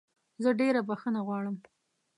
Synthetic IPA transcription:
zəɖeɾabaxənaɣwɑɽəm

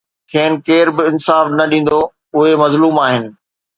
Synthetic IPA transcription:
kʰeːnɪ̆keːɾbɪɪnsaːfnɐɗĩːn̆d̪o | ʊɦemɐzluːmaːɦɪnɪ̆

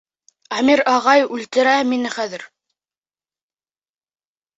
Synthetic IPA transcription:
ɑmiɾɑʁɑjʉlt̪ɘ̆ɾæminɘχæðɘɾ

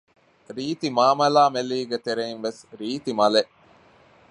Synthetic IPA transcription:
ɾiːt̪imaːmɐlaːmeliːɡet̪eɾeinʋesɾiːt̪imɐleʔ

